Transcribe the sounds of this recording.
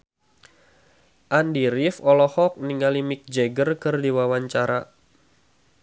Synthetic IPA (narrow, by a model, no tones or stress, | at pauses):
ʔandiɾifɔlɔhɔk̚niŋalimik̚d͡ʒɛɡərkɨrdiwawaɲt͡ʃaɾa